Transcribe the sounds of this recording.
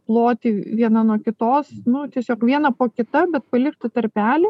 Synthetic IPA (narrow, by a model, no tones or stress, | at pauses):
plˠoːt̪ʲiːʋʲiɛnɐnuɔkʲɪt̪oːsnʊt̪ʲiɛsʲoːkʋʲiɛnɐpoːkʲɪt̪ɐbʲɛt̪̚pɐlʲɪkt̪ɪt̪ɐɾʲpʲæːlʲɪ